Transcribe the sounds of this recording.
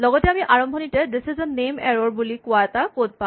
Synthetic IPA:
lɔɡɔtɛamiʔaɹɔmbʱɔnitɛdisizɔnːemɛ̰ɹɔɹbulikʊaɛtakot̚pã

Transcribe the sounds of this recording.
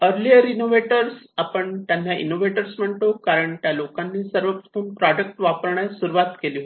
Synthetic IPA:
əɾliəɾinoʋeʈəɾsapəɳt̪jãnːjaʔḭnoʋeʈəɾsm̤əɳʈ̪okaɾəɳt̪jalokanːiːsəɾʋək̚t̪uːnpɾɔɖək̚ʈʋapəɾɳjasuɾuʋat̪kelio

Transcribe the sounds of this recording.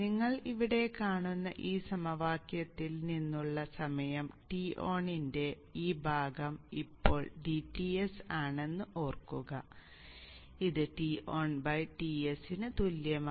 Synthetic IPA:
niŋːɐɭiʋiɽe̞kaːɳunːɐʔiːsɐmɐʋaːkjɐt̪ːilninːuɭːɐsɐmɐjɐmʈio̞ːɳinde̞ | iːbʱaːɡɐmipːo̞ːɭɖiʈːiesaːɳe̞nːuʔo̞ːrkːuɣɐ | iðɨʈiʔoːɳbɐjʈiesinɨt̪uljɐm

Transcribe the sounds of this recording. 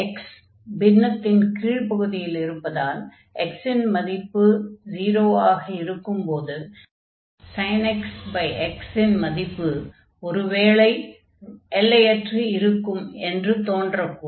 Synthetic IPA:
ɛks | bɪnːɐt̪ːɪnkiːɻpɐɣɯðɪjɪlɪɾɯpːɐðaːl | ʔɛksɪnmɐðɪpːɯd͡ʒiːɾoːaːɣɐɪɾɯkːɯmpoːðɯ | sɐɪnɛksbɐɪʔɛksɪnmɐðɪpːɯ | ɔɾɯʋeːɭɐɪ | ɛlːɐjɛʈriɪɾɯkːɯmɛndrɯt̪oːndrɐpːu

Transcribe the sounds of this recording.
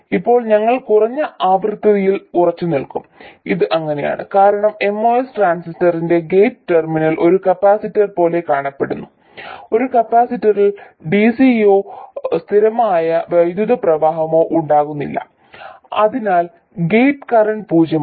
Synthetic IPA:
ipːo̞ːɭɲɐŋːɐɭkurɐɲːɐaːbrɨt̪ːɐðɐjilurɐt͡ɕːunilkumiðɨʔɐŋːɐneja̰ːɳɨ̰kaːɾɐɳɐme̞mːo̞ːesʈraːnsistɐrinde̞ɡe̞jʈɨterminɐlʔo̞ɾukɐpːaːsitːɐrpo̞ːle̞kaːɳɐpːe̞ɽunːu | o̞ɾukɐpːaːsitːɐril | ɖisio̞ːst̪ʰiɾɐmaːjɐʋɐjd̪juðɐprɐʋaːɦɐmo̞ːʔuɳɖaːɣunːilːɐ̰ | ɐðinaːl | ɡe̞jʈkɐrɐɳɖpuːd͡ʑɐ

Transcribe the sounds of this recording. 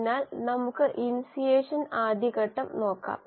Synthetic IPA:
naːlnɐmukːɨʔinsijeːʂɐnaːd̪ʱiɣɐʈːɐmno̞ːkːa̰ːm

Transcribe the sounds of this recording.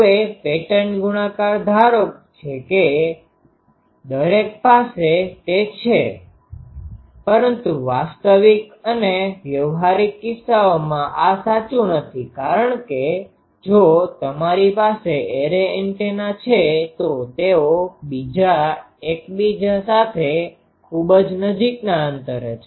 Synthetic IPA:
epeʈənɡuɽ̃akaɾd̪ʱaɾok̚t͡ʃʰeke | d̪əɾek̚paset̪et͡ʃʰe | pəɾənt̪uʋast̪əʋikəneʋjəʋɦaɾikːɪsːaomãʔasat͡ʃũnət̪ʰikaɾəɳke | d͡ʒot̪əmaɾipaseeɾeɛɳʈenat͡ʃʰet̪ot̪eobid͡ʒa | ekbid͡ʒasat̪ʰe | kʰubd͡ʒnəd͡ʒiknaənt̪əɾet͡ʃʰ

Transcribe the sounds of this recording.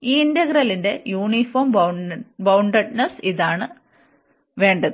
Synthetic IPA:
iːind̪ɐɡɾɐlinde̞juːɳifoːmbbɐwɳɖɐɖ̚nɐsiðaːɳɨ | ʋe̞ːɳɖɐðɨ

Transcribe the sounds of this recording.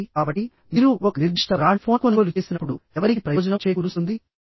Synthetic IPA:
kaːbɐʈːi | miːɾuokɐniɾd͡ʒiʂʈɐɾaːɳpʰoːkoːnuːlut͡ʃe̞ːsinɐpːuɽuɛʋɐɾikipɾɐjɔːd͡ʒɐnɐt͡ʃeːjkuɾusund̪i

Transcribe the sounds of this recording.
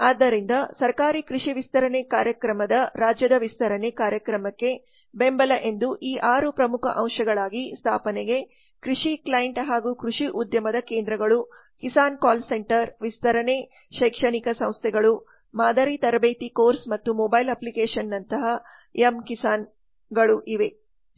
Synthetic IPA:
aːd̪ːɐɾind̪ɐsɐɾkaːɾikɾuʂiʋist̪ɐɾɐnekaːɾjɐkɾɐmɐd̪ɐɾaːd͡ʒjɐd̪ɐʋist̪ʰɐɾɐnekaːɾjɐkɾɐmɐkːe̞ | bembɐlɐʔe̞nd̪uʔiːʔaːɾupɾɐmukʰɐ̰ʔɐ̃w̃ʂɐɡɐɭaːɡist̪ʰaːpɐnɛɡe̞ | kɾiʂiklɐjeɳʈɦaːɡuːkɾuʂiʔud̪jɐmɐd̪ɐkeːnd̪ɾɐɡɐɭu | kisaːnkaːlse̞ɳʈɐɾʋist̪ɐɾɐne | ʃɐjkʂɐnikɐsɐ̃w̃st̪ʰɛɡɐɭu | maːd̪ɐɾit̪ɐɾɐbeːt̪ikoːɾsmɐt̪ːumɔbɐjlɐplikeːʂɐnːɐnt̪ɐɦɐ | emkisaːn | ɡɐɭuʔiʋe̞

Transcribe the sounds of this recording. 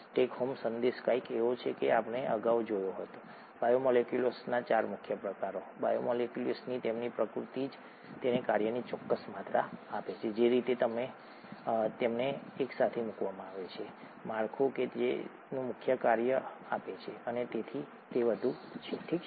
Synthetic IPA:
ʈekhomsənd̪eskaikeʋot͡ʃʰekeapneʔəɡaʋd͡ʒojoɦət̪o | bajomɔlekjulosnat͡ʃaɾmʊkʰjəpɾəkaɾobajomɔlekjulosnit̪emnipɾəkɾut̪id͡ʒ | t̪enekaɾjənit͡ʃɔkːəsmat̪ɾaːpet͡ʃʰed͡ʒeɾit̪et̪əme | t̪emneːksat̪ʰemukʋamãaʋet͡ʃʰe | maɾkʰoked͡ʒḛ | nũmʊkʰjəkaɾjəapet͡ʃʰeənet̪et̪ʰi | t̪eʋəd̪ʱut͡ʃʰeʈʰik

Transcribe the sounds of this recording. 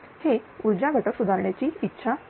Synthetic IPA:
heuɾd͡ʑaɡʱəʈəksud̪ʱaɾɳjat͡ɕiːitːɕʰa

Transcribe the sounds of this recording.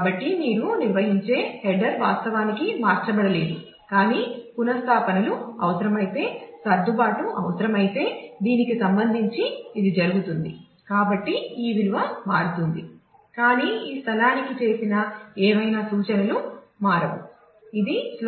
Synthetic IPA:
bɐʈːimiːɾuniɾʋɐɦiɲt͡ʃe̞ːhɛɖɐɾʋaːst̪ɐʋaːnikimaːɾt͡ʃɐbɐɽɐle̞ːd̪u | kaːniːpunɐst̪ʰaːpɐnɐluɐʋɐsɐɾɐmɐjit̪e̞ːsɐɾd̪ʱubaːʈuʔɐʋɐsɐɾɐmɐjit̪e̞ːd̪iːnikisɐmbɐnd̪ʱiɲt͡ʃiːd̪id͡ʒɐɾuɡut̪und̪i | kaːbɐʈːiiːʋilʋɐmaːɾut̪und̪i | kaːniːiːst̪ʰɐlaːnikit͡ʃe̞ːsinɐɛːʋɐjnaːsuːt͡ʃɐnɐlumaːɾɐʋṵ | id̪is

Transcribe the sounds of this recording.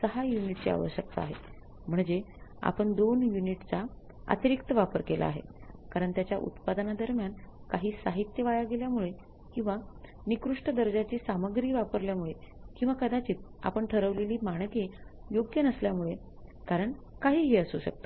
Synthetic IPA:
səɦajuniʈt͡ɕea̰ʋə̰ɕjək̚t̪aa̰ɦe | m̤əɳd͡ʑea̰pəɳd̪onjuniʈt͡sa | a̰t̪iɾikt̪əʋapəɾkelʔa̰ːɦḛkaɾəɳt̪jat͡ɕjaʔṵt̪pad̪ənad̪əɾmjankaɦiːsaɦit̪jəʋajaɡeljamuɭe | kĩw̃ʋa | nikɾuʂʈəd̪əɾd͡ʑat͡ɕiːsaməɡɾiːʋapəɾljamuɭe | kĩw̃ʋakəd̪at͡ɕiːt̪̚a̰pəɳʈʰəɾəʋleliːmaɽ̃kejoɡjənəsljamuɭe | kaɾəɳ | kaɦiːɦeəsuɕə̰k̚t̪ḁ

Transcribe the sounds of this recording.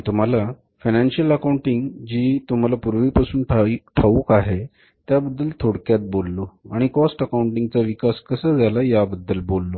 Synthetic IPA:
t̪um̤ala | fananɕijələkauɳʈiŋɡd͡ʑiːt̪um̤alapuɾʋiːpasuːnʈʈʰaʋukaɦe | t̪jabəd̪ːəlt̪ʰoɽkjat̪̚bolːoaɽ̃ikɔsʈəkauɳʈiŋɡt͡saʋikaskəsəd͡zʱalajabəd̪ːəlbolːo

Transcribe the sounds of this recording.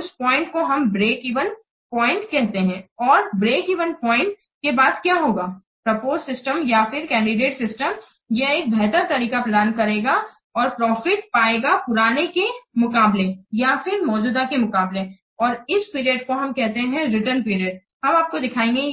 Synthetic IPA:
ʊspɔ̃ːɪ̃ɳʈkoɦɐmbɾeːkiːʋən | pɔːɪ̃ɳʈkɛɦt̪eɦɛ̃ɔːɾbɾeːkiːʋənpɔ̃ːɪ̃ɳʈ̚ | kebaːd̪kjaɦoːɡaː | pɾɐpoːzsɪsʈəmjafɪɾkɛ̃ːɳɖɪɖeːʈsɪsʈəm | jeeːk̚bʱɛɦt̪əɾt̪ɐɾiːkaplaːnkɐɾeːɡa | ɔːɾpɾɔːfɪʈ̚paːeːɡapʊɾaːnekemʊkaːblejafɪɾmɔːd͡ʒuːd̪akemʊkaːble | ɔːɾɪspiːɾijəɖ̚koɦɐmkɛɦt̪eɦɛ̃ɾɪʈəɾnpiːɾijəɖ̚ | ɦɐmaːp̚kod̪ɪkʰaːẽːŋɡe

